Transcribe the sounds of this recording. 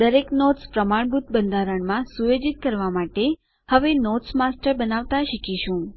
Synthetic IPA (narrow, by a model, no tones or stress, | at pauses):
d̪əɾeknot̪spɾəmaɳ̃bʱut̪̚bənd̪ʱaɾəɳmãsujed͡ʒit̪̚kəɾʋamaʈe | həʋenot̪smasʈəɾbənaʋt̪aʃikiʃũ